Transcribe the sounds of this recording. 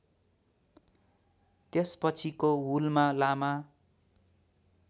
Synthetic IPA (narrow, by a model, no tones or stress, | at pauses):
t̪espʌt͡sʰikoɦulmalama